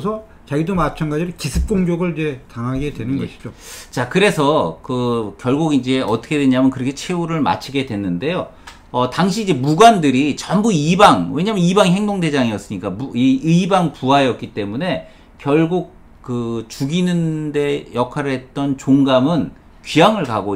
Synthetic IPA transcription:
sʰʌ | t͡ɕaɡidomat͡ɕʰanɡad͡ʑiɾokisʰɯp̚k͈oŋɡjʌɡɯɭid͡ʑe̞taŋɦaɡe̞dwe̞nɯnnɡʌeɕʰi̥d͡ʑot͡ɕakɯɾe̞sʰʌkɯkjʌɭɡuɡind͡ʑe̞ʌt͈ʌkʰe̞dweɲamjʌnkɯɾʌkʰe̞t͡ɕʰe̞uɾɯɭma̰t͡ɕʰiɡe̞dwe̞nːɯnde̞jo | ʌtaŋɕ̬ʰiːd͡ʑe̞muɡwandɯɾit͡ɕʌmbuibaŋwe̞ɲamjʌnibaŋiɦe̞ŋdoŋde̞d͡ʑaŋiʌs͈ɯɲik͈amuiɯibaŋpuajʌk͈̚it͈e̞mune̞ | kjʌɭɡuk̚ | k͈ɯt͡ɕuɡinɯnde̞jʌkʰaɾɯɭɦe̞t̚t͈ʌnt͡ɕoŋɡamɯn | kɥiaŋɯɭkaɡo

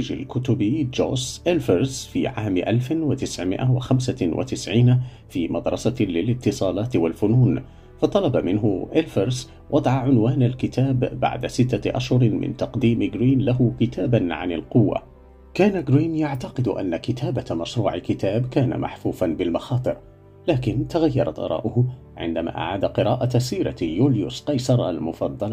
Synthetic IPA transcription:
d͡ʒa̰lkʊt̪ʊbid͡ʒo̰ːsʔɪlfɑɾˤzfḭːʕaːmʔalfɪwat̪ɪsʕmɪ̰ʔawa̰xamsawʔa̰t̪ɪsʕiːna | fiːmɑd̪ɾˤɑsalɪlɪt̪ːɨsˤɑːlɑːt̪ɪwalfʊnuːn | fɑt̪ˤɑlɑbamɪnɦʊʔɪlfɑɾz | wʔɑd̪ˤʕɑʕʊnwaːnalkɪt̪ʰaːbːa̰ʕd̪asɪt̪ːaʔaʃhʊɾmɪ̰nt̪ɑqd̪iːmɪɡɾiːnlaɦʊkɪt̪aːbanʕa̰nɪ̰lqʊwːa̰ | kaːnaɡɾiːnjaʕt̪ɑqɨd̪ʊʔa̰nːakɪt̪ʰaːbamaʃɾˤuːʕɪkɪt̪aːbkaːna̰mʔa̰ħfuːfanbɪlmɑxɑːt̪ˤɨɾ | laːkɪnt̪aɣajːɑɾˤɑt̪ʔɑ̰ɾˤɑ̰ːʔʊhʊ | ʕɪ̰nd̪ama̰ːʔa̰ʕaːd̪aqɨɾaːʔasiːɾa̰juːljʊsqɑjsɑɾˤʔa̰lmʊfɑd̪ˤːɑl

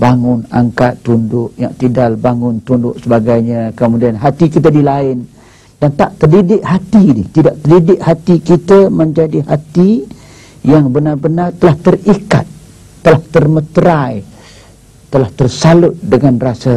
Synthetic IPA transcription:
baŋʊna̰ŋkat̪ːundʊʔja̰ŋt̪idalbaŋʊnt̪undʊʔsəbaɡajɲakəmudianɦat̪ikit̪ədilaɪn | d̥ant̪aʔt̪ərdidɪʔhat̪idiht̪idaʔt̪ərdidɪʔ̚hat̪ikit̪əməɲd͡ʒadiɦat̪i | jaŋbənarbənart̪əlaht̪ərika̰t̪̚ː | əlaht̪ərmət̪əɾaj | t̪əlaht̪ərsalʊt̪̚dəŋanrasə

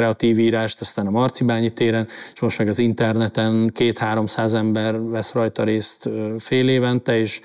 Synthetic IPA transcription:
ɾɛɒt̪iːviːɾaːʃt̪ɒst̪aːnɒmɒrt̪sibaːɲit̪eːɾɛneʃmo̞ʃt̪mɛɡɒzint̪ɛrnɛt̪ɛnkeːt̪haːɾo̞msaːzɛmbɛrvɛsrɒjt̪ɒɾeːst̪feːleːvɛnt̪ɛeːʃ

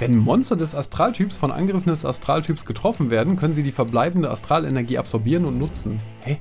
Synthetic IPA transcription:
vɛnmɔnstɐdɛsastʁ̥aːltʰyːpsfɔnʔa̰nɡʁɪfn̩dɛsa̰stʁ̥aːltʰyːpsɡ̥ətʁ̥ɔfn̩veːɐdn̩kʰœnənziːdiːfɛɐblaɪbn̩dəa̰stʁ̥aːlɛnɛɐɡiːʔa̰pz̥ɔɐbiːʁənʊntnʊt͡sn̩hɛ

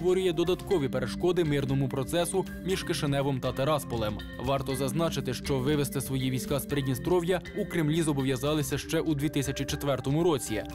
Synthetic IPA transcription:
t̪ʋɔɾʲʊjɛd̪ɔd̪ɐt̪kɔʋʲipeɾeʃkɔd̪ɪmɪrnɔmʊpɾɔt̪sɛsʊ | mʲiʒ̥kɪʃenɛʋɔmt̪ɐt̪eɾɑspɔlˠem | ʋɑrt̪ɔzɐznɑt͡ʃɪt̪ɪʃt͡ʃɔʋɪʋest̪ɪsʋɔjiʋʲijsʲkɑspeɾedʲnʲist̪ɾɔʋjɐukɾɪmlʲizɔbɔʋjɐzɑlˠɪsʲɐʃt͡ʃɛʔud̪ʋʲit̪ɪsʲɐt͡ʃit͡ʃet̪ʋɛrt̪ɔmʊɾɔt͡sʲi

